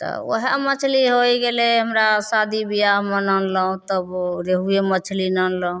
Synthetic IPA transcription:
t̪ɔ̰ə̰ɦemət͡ʃʰliɦojɡeleɦəmɾasad̪ibijaɦmənənləɦũt̪əbɾeɦujemət͡ʃʰlinənləɦũ

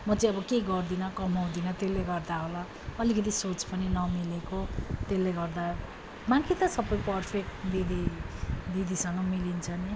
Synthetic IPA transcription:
mʌt͡sʌĩʌbʌkeɡʌrd̪inʌkʌmɦaw̃d̪inʌt̪elːeɡʌrd̪aɦola | ʌlikʌt̪̬isot͡spʌninʌmilekot̪elːeɡʌrd̪a | maŋkʰit̪ʌsʌpːʌjpʌrpʰek̚ʈd̪id̪i | d̪id̪isʌŋɡʌmilint͡sʰʌni

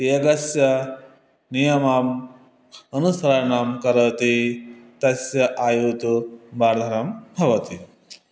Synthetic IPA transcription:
t̪eːɡɐsjɐ | nijɐmaːm | ɐnusɾajɐɳaːmkɐɾɐt̪it̪ɐsjɐʔaːjut̪ubaːɾd̪ʱɐɾɐmbʱɐʋɐt̪i

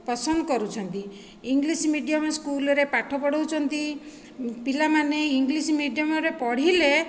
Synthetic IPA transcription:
pɔsɔnd̪ɔkɔɾut͡ʃʰɔnt̪i | iŋɡlismiɖijamɔskulɔɾepaʈʰɔpɔɽɔwt͡ʃʰɔnt̪i | pilamaneiŋɡlismiɖijamɔɾepɔɽ̤ile

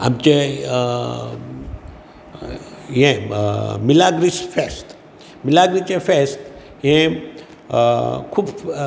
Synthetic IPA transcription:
a̰mt͡ʃe | jẽmɪlaːɡɾisfest̪ | mɪlaɡɾit͡ʃefʰest̪ | jẽ | kʰub

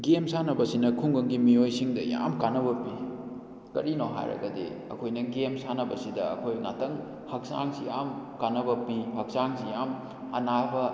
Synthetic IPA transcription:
ɡemsanɐbɐsinɐkʰuŋɡɐŋɡimijojsiŋdɐja̰mkanɐbɐpːi | kɐ̰ɾinoɦa̰jɾɐ̰ɡɐdḛɐ̰kʰojnɐɡemsanɐbɐsidɐɐ̰kʰojna̰tɐŋ | hɐk̚sa̰ŋsijamkanɐbɐpːihɐk̚saŋsijam | ɐ̰nabɐ

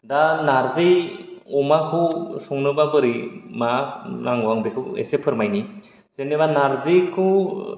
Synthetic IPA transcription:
danaɾzejɔmakʰɯsɔŋnɯbabɯɾimanaŋɔaŋbekʰɯḛsepʰɯɾmajni | z̥enebanaɾzikʰɯ

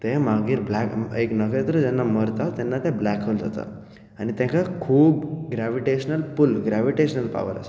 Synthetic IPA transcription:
t̪emaɡiːɾblɛkeknəkẽt̪əɾəd͡zɛnːaməɾt̪at̪ɛnːat̪ẽblɛkʰəld͡zʱat̪a̰ | anit̪ɛ̃kakʰuːbɡɾaʋiʈeɕənəlpulɡɾaʋiʈeɕənəlpa̰ʋə̰ɾə̰s

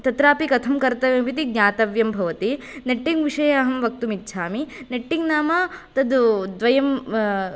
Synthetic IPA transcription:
t̪ɐt̪ɾaːpikɐt̪ʰɐmkɐɾt̪ɐʋjɐmʋit̪iɡɲʲaːt̪ɐʋjɐmbʱɐʋɐt̪i | neʈːiŋɡʋiʂɐjɐɐɦɐmʋɐk̚t̪umitːʃʰaːmineʈːiŋɡnaːmɐt̪ɐd̪ud̪ʋɐjɐm

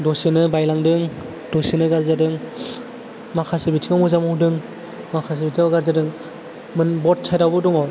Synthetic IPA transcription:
dosinɯbajlaŋdɯŋ | dosinɯɡaɾzadɯŋ | makʰasibitʰiŋamuzamɔhudɯŋ | makʰas̬ibitʰibaɡaɾzadɯŋ | mɯnbɔt̚sʰajdabɯduŋɔ

